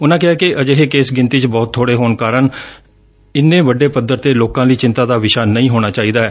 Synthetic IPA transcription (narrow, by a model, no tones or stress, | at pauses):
ʊnãːkɪɦaːkɪʔəd͡ʒeːɦeːkeːsɡɪ̃nt̪iːt͡ʃbɔːt̪ʰːoːɽeːɦoːnkaːɾəɳ | ɪnːẽːʋəɖeːpəd̪əɾt̪eːloːkãːləiːt͡ʃɪ̃nt̪aːd̪aːʋɪʃaːnəĩːɦoːɽ̃aːt͡ʃaːiːd̪aːɛː